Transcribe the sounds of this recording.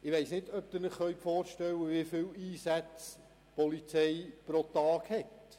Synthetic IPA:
ɪʋeɪsnɪdœp̚t̪ɪɾnɪχχœʏpfoːɾʃtɛlːəʋifɪliːsæt͡s | pɔlit͡sɛɪpɾotɑːkhɛt

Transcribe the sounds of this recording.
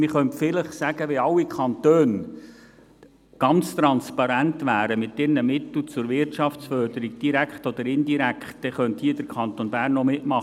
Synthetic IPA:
mɪχœntfɪləχsæɡ̥əʋeɑlwːikʰɑnt̪øːn | ɡ̥ɑnt͡st̪ɾɑnspɑɾæntʋæːɾəmɪt̪ɪɾnəmɪt̪l̩t͡sʊɾʋɪɾtʃɑft͡sfœɾdəɾiɡ̚d̥iɾækχtɔd̪əɾɪndiɾækχtd̥ɛχœnthiːdəɾkʰɑnt̪onbæːɾnːɔmɪtmɑχ

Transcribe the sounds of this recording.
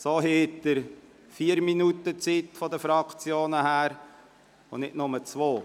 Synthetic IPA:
soːɦeːt̪ːəɾ | fiːəɾminutət͡sit̪fɔd̪əfɾɑkt͡sjoːnəhæːɾ | ʊnɪtnʊmət͡sʋoː

